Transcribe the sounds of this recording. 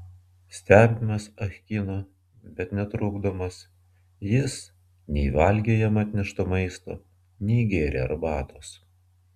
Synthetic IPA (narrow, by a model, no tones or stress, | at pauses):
sʲt̪ʲæːbʲɪmɐsɐxʲkʲiːnoː | bʲɛt̪nʲɛt̪ɾʊːɡd̪omɐs | jɪs | nʲɛɪʋɐˑlʲɡʲeːjɛmɐt̪ʲnʲɪʃt̪oːmɐɪst̪o̰ː | nʲɛɪɡʲeːɾʲḛːɐ̰ɾbɑːt̪oːs